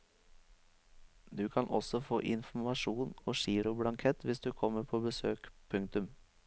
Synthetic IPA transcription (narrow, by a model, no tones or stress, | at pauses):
d̪ʉːkʰɑnʔɔsɔfo̰ːʔɪnfmɑʂuːnoːʃiːɾʊbɽɑŋkʰɛt̪ʋɪsd̪ʉːkʰɔmːəɾpʰoːbəsøːkpʰʉŋkt̪ʉm